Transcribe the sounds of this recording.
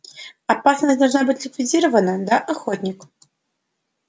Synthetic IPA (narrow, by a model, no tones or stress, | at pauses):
apasnɐsʲd̪alˠʐnabɨt͡sʲlʲɪkvʲid͡zʲiɾɐvɐnɐd̪ɐʔaxɔt̪ʲnʲik